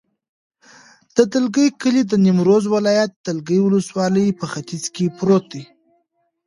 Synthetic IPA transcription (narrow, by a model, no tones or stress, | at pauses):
d̪̥əd̪əlɡəjkəlid̪ənɪmɾozwɪlɑjat̪̚d̪əlɡəjwʊləswɑləjpəxat̪izkepɾot̪̚d̪i